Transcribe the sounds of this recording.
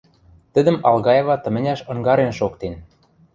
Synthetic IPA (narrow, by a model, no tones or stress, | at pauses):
t̪ə̆d̪ə̆mɑlɣɑjevɑt̪ɤ̆mɘ̆nʲæʃɤ̆ŋɡɑɾenʃokt̪en